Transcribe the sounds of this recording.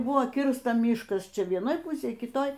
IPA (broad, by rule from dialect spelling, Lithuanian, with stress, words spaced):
ˈbʊʋoː ˈkʲɪrstɐ ˈmʲiːʃkɐs ˈt͡ʃʲɛ ʋʲiɛˈnoːj ˈpʊsʲeːj kʲɪˈtoːj